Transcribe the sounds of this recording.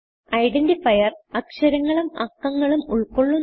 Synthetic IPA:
ɐjɖendifɐjɐrɐkʂɐɾɐŋːɐɭumɐkːɐŋːɐɭumuɭkoɭːu

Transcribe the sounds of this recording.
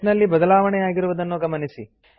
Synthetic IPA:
nɐlːibɐd̪ɐlaːʋɐɳɛjaːɡiɾuʋɐd̪ɐnːuɡɐmɐnisi

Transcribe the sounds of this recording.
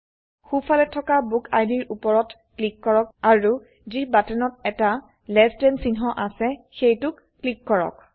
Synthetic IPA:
xufʰalɛtʰːɔkabukʰa̰jdiɹʔupɔɹɔt | klikːɔɹɔk̚aɹu | zibatɛnɔtɛta | lɛstɛnsinɦɔʔasɛxejtʊkːlikːɔɹɔ̰k

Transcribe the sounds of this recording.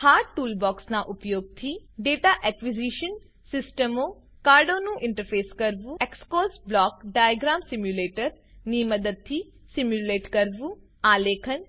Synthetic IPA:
haːɾʈʈuːlbɔːksnaʔʊpjoːɡ̚t̪ʰiɖeːʈaːʔɛkʋid͡ʒiːʃən | sɪsʈəmoː | kaːɾɖoːnũʔɪ̃ɳʈəɾpʰeːskɐɾʋuekskoːzblɔːkɖaːjɡɾaːmsɪmjuleːʈəɾ | niːmɐd̪əd̪̚t̪ʰiː | simjuleːʈkɐɾʋu | aːleːkʰən

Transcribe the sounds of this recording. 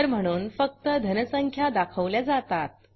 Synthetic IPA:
əɾm̤əɽ̃uːnfək̚t̪əd̪ʱənəsəŋkʰjad̪akʰəʋljad͡zat̪at̪̚

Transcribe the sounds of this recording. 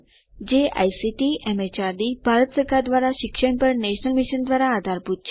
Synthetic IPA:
d͡ʑeʔa̰jsiʈiɛmet͡ɕaɾd̪ibʱaɾət̪səɾkʰaɾd̪ʋaɾaɕikʂəɳpəɾneɕnəlmiɕənd̪ʋaɾaːd̪ʱaɾput̪̚t͡ɕʰ

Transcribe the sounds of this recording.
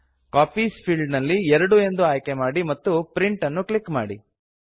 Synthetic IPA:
kaːpiːspʰiːɭɖnɐlːiɛɾɐɽue̞nd̪uaːjkemaːɽimɐt̪ːupɾiɳʈɐnːuklikːma̰ːɽi

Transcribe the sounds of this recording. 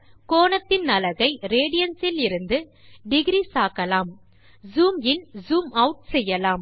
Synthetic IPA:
koːnɐt̪ːɪnnɐlɐɣɐɪɾeːɽɪjɐnsɪlɪɾɯnd̪ɯɖɪɣɾiːsaːkɐlaːm | zuːmɪnzuːmɐʊʈ̚sɛjːɐlaːm

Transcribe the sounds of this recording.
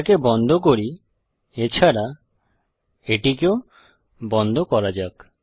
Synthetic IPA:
kebɔnd̪ʱɔk̬oɾi | et͡ʃʰaɾa | eʈikeo | bɔnd̪ʱɔkɔɾad͡ʒak

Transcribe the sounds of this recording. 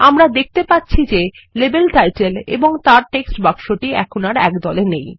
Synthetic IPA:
amɾad̪ek̚ʰt̪epatːɕʰid͡ʑe | lebelʈajʈelḛboŋt̪aɾʈeksʈbakʃoʈiɛ̰kʰonaɾɛ̰kd̪ɔlenej

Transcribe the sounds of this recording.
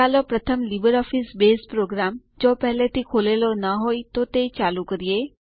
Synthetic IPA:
alɔpɾət̪ʰəmlibəɾɔːfʰisbeːspɾoːɡɾaːm | d͡ʒoːpɛɦlet̪ʰikʰoːlelonəɦoːit̪ot̪et͡ʃaːlukəɾije

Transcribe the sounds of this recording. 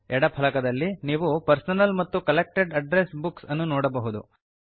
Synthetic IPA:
ɛɽɐpʰɐlɐkɐd̪ɐlːiniːʋupɐɾsɐnɐlmɐt̪ːukɐlek̚ʈeɖɐɖɾesbuksɐnːunoːɽɐbɐɦud̪ṵ

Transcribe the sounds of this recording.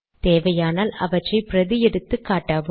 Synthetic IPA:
t̪eːʋɐjaːnaːlɐ̰ʋɐʈrɐɪpɪɾɐðɪjɛɽɯt̪ːɯkːaːʈːaːʋ

